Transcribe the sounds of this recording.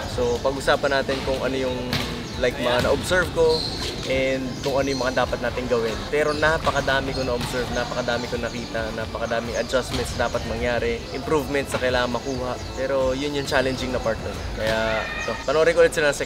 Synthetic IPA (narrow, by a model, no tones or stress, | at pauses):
so̞pɐɡʔʊsaːpɐnaːt̪ɪnkʊŋʔɐno̞jʊŋ | lajk̚mɐŋanɐʔobsɛɹvko̞ | ʔɛnd̪̚kʊŋɐnojʊŋmɐŋad̪aːpɐt̪̚naːt̪ɪŋɡɐwɪnpɛːɾo̞napɐkɐd̪aːmɪkonɐʔobsɛɹvnapɐkɐd̪aːmɪkonɐkiːt̪ɐnapɐkɐd̪aːmɪŋɐd͡ʒasmɛnt̪sɐd̪aːpɐt̪̚mɐŋjaːɾɛʔɪmpɾuvmɛnt̪sɐkɐjlaːŋɐŋmɐkuːhɐʔpɛːɾo̞jʊnjʊŋt͡ʃaːlɛnd͡ʒɪŋnɐpaɹt̪̚nɛɾkɐjaʔɛt̪o̞pɐnoʔoɾɪŋkʔʊlɪt̪sɪlanɐŋsɛ